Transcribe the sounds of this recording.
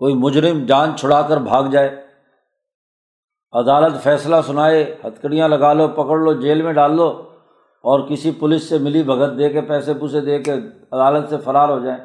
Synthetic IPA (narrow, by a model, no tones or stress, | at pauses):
koːimʊd͡ʒɾɪmd͡ʒãːnt͡ʃʰʊɽaːkəɾbʱaːɡd͡ʒaːeː | ɐd̪aːlət̪fɛːslasʊnaːehɐt̪ʰkəɽijãlɐɡaːlopɐkəɽlod͡ʒeːlmẽɖaːlːo | ɔːɾkɪsipʊlɪsːemɪlibʱɐɡət̪̚d̪eːkepɛːsepuːsed̪eːke | ɐd̪aːlət̪sefɐɾaːɾɦod͡ʒaːẽː